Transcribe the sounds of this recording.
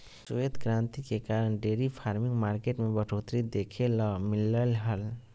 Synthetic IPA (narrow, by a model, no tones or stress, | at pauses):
sued̪kɾãːnt̪ikekaːɾəɳɖeːɾipʰaːɾmĩŋɡmaːɾkeʈmebəʈʰoːt̪ɾid̪ekʰelmɪləlɦəl